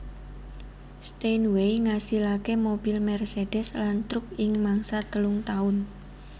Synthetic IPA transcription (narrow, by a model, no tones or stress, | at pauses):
st̪enwejŋasilakemobilmɛrsed̥ɛslant̪ɾʊk̚ɪŋmaŋsat̪əlʊŋt̪aʊn